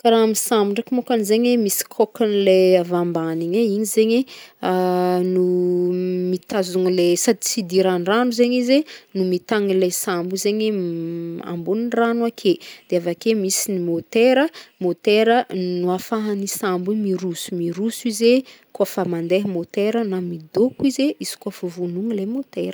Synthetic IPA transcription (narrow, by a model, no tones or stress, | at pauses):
kaɾaamisambuɳɖ͡ʐakimokanizeɲemisi̥kʰɔkanileavambaniɲeiɲizeɲeanu | mit̪azuŋlesad̪it͡sid̪iɾanranuzeɲizenumit̪aŋilesambizeɲe | a̰mbuninranuakʰed̪̥eavakemisinimot̪eɾəmot̪eɾənuafaɦanisambumiɾusu̥miɾusuize | kuafamand̪eɦəmot̪eɾənamid̪okuizeʔiz̥i̥kuafəvunuŋilemot̪eɾə